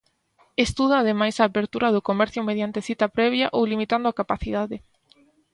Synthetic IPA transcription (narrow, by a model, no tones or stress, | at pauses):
est̪uð̞aːðemajsaːpeɾt̪uɾaðʊkomɛɾθjʊmeðjant̪eθit̪apɾɛβ̞jaʔowlimit̪and̪ʊakapaθiðaðe